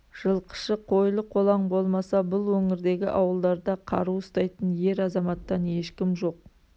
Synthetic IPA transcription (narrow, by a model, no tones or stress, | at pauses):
ʒ̥əlˠqʰə̥ʃəqʰo̞jlˠəqʰo̞lˠɑɴbo̞lˠmɑsɑbʊlˠwɵŋɪɾd̪e̞ɡʲɪʔɑwəlˠd̪ɑɾd̪ɑqʰɑɾuəst̪ɑjt̪ənje̞ɾɑzɑmɑt̪ːɑne̞ʃkʲɪmʒo̞q̚